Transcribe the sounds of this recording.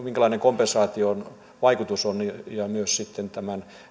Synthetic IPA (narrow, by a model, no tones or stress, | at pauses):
miŋkælɑineŋkompensɑːt̪ion | ʋɑikut̪usonnijɑmyøssit̪ːent̪æmæn